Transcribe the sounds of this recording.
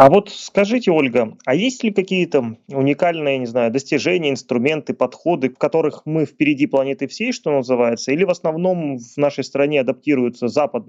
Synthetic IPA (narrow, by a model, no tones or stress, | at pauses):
ɐvo̞t̪skɐʐɨtʲɪo̞lʲɡəɐjesʲtʲlʲɪkɐkʲijət̪əʊnʲɪkalʲnɨjənʲɪznajʊd̪əsʲtʲɪʐɛnʲɪjəɪnst̪ɾʊmʲe̞nt̪ɨpɐt̪xo̞d̪ɨkɐt̪o̞ɾɨxmɨfpʲɪɾʲɪdʲiplˠɐnʲet̪ɨfsʲejʂt̪o̞nəzɨvajɪt̪səilʲɪvəsnɐvno̞mvnaʂəjst̪ɾɐnʲeɐd̪ɐp̚tʲiɾʊjʊt̪səzapəd̪̚nə